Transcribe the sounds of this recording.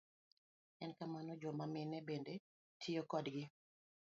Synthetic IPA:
ɛnkamanɔd͡ʒɔmamɪnɛbende | tʰijokɔdɡɪ

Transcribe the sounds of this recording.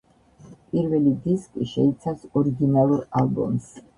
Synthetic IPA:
pʼiɾvɛlid̪iskʼiʃɛit̪sʰasɔɾiɡinalˠuɾalˠbɔ̰ms

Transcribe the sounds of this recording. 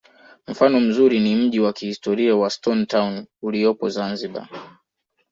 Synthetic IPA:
m̩fanɔm̩zuɾinim̩ʄiwakihistɔɾiawastɔntawnuliɔpɔzanziɓa̰

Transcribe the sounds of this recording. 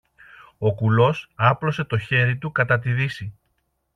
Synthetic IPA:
o̞kulo̞sɐplo̞se̞t̪o̞çe̞ɾit̪ukɐt̪ɐt̪iðisi

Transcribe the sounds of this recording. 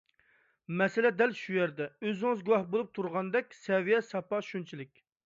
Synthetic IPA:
mɛsɪlɛd̪ɛlʃujɛɾd̪ɛøzɪŋɨzɡuwɑhbolˠup̚t̪ʰuɾʁɑnd̪ɛkʲsɛvijɛsɑpɑʃunt͡ʃʰilɪkʲ

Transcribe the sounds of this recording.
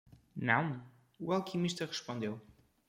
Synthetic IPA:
nɐ̰̃w̃ | ualˠkimiʃt̪ɐʁɨʃpõnd̪ew

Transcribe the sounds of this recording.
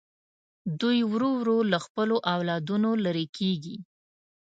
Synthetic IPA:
d̪ujwɾowɾolaxpəloʔawlɑd̪unolaɾekʰeɡi

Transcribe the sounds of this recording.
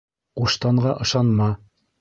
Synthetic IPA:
quʃt̪ɑɴɢɑʔɤ̆ʃɑnmɑ

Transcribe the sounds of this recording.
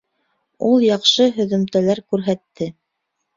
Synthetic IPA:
ulˠjɑqʃɤɦɵ̆ðɵ̆mt̪ælæɾkʉɾɦæt̪ːɘ

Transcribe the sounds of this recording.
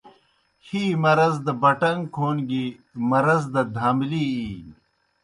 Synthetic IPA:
hiːmɐɾɐzd̪ɐbɐʈɐŋkʰoːnɡi | mɐɾɐzd̪ɐd̪ʱaːmliiː

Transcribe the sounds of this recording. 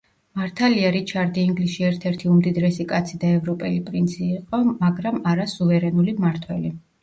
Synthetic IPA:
maɾt̪ʰaliaɾit͡ʃʰaɾd̪iiŋɡlisʃiɛɾt̪ʰɛɾt̪ʰiumd̪id̪ɾɛsikʼat̪sʰid̪aɛvɾɔpʼɛlipʼɾint̪sʰiːqʼɔmaɡɾamaɾasuvɛɾɛnulimaɾt̪ʰwɛli

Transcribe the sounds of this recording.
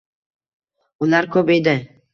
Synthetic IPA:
ʊlˠaɾkʰɵped̪ɪ

